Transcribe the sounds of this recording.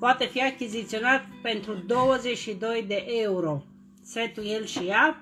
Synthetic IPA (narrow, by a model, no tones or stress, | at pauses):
poat̪efiakʲizit̪sionat̪̚pent̪ɾud̪o̞wəzet͡ʃʃid̪o̞jd̪eʔeuɾo | set̪ujelʃija